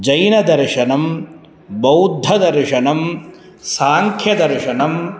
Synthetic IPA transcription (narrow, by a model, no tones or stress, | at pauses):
d͡ʒɐjnɐd̪ɐɾʂɐnɐm | bɐwd̪ʱːɐd̪ɐɾʂɐnɐm | saːŋkʰjɐd̪ɐɾʂɐnɐm